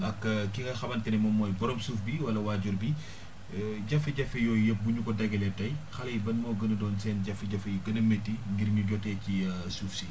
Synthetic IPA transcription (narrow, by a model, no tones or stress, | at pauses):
ɐkːkikɐxɐbɐntɛnɛmɔmːɔːjbɔɾɔmsuːfbiwɐlɐwaːɟɔrbi | ɟɐfɛɟɐfɛjɔjɐp̚buɲukɔdɐɡɛlɛtːɐjxɐlɐjbɐnmɔːɡənɐdɔːnsɛːnɟɐfiɟɐfɛjɡɐnɐmetːiŋɡirŋiɟɔtːɛcisuːfsi